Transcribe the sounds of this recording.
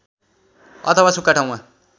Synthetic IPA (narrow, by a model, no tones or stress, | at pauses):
ʌ̰t̪ʰʌwasukːaʈʰaw̃ma